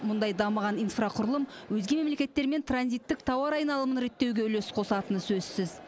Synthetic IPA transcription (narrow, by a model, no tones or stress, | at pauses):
mʊnd̪ɑjd̪ɑməʁɑnijnfrɑqʰʊɾəlˠəmwɵzɡʲe̞me̞mle̞kʲe̞t̪ːe̞ɾme̞nt̪ʰranzijt̪ːɪk̚t̪ʰɑwɑɾɑjnɑlˠəmənɾe̞t̪ːe̞wɡʲe̞ʏlesɪ̥qʰo̞sɑt̪ənsɵzsɪz